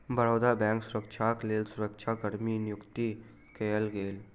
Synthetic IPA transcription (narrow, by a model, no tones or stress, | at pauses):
bəɾoːd̪abɛ̃ːŋksʊɾəkʃʰakleːlsʊɾəkt͡ʃʰakəɾminɪjʊkt̪i | keːəlɡeːl